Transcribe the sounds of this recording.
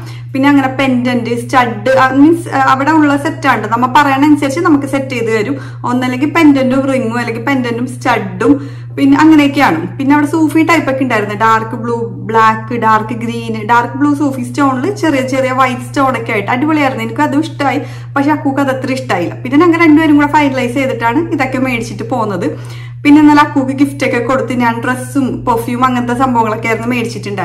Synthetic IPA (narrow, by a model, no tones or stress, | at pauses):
pinːeɐŋːɐne̞pe̞ndɐndɨstɐɖːɨɐŋːinɐʋiɽeuɳuɭːɐse̞tːaːɳɖɨnɐmːɐpɐrɐjaːɳensɐɾit͡ɕːɨnɐmukːɨse̞tːejt̪ɨʋɐɾum | o̞nːɐlːe̞ŋɡilpe̞ndɐndumriŋːumɐlːe̞ŋɡilpe̞ndɐndumstɐɖːum | pinːeʔɐŋːɐneeokːɨaːɳupinːeɐʋiɽesuːfiːʈːɐjpːɐkʲːiuɳɖaːjiɾunːuɖaːrkɨbɭuːbɭaːkːɨɖaːrkɨɡɾiːnɨɖaːrkɨbɭuːsoːfiːst͡ɕoːɳɖɨt͡ɕe̞rijɐt͡ɕerijɐʋɐjtsɨ̥t͡ɕoːɳɐkʲːaːjiʈːɨɐɽibɐɭijaːjiɾunːenikʲːɐðumiʂʈaːji | pɐkʂe̞ɐkːuːkːɐðet̪ːriʂʈaːjilːɐ̰pinːenɐŋːɐɾe̞ɳɖuʋɐɾumkuːɽefɐjnlɐjse̞jt̪iʈːaːɳɨiðo̞kːe̞me̞ːɽit͡ɕːiʈːɨpo̞ːɣunːɐðɨ | pinːe̞nːɐlɐkːuːkːɨɡiftːo̞kːeko̞ɽut̪ːinːaːɳɖresumpofjiumɐŋːɐnɐt̪ːesɐmbʱɐʋɐŋɐɭo̞kːejɾɐnːɨme̞ːɽit͡ɕːiʈːuɳɖaːi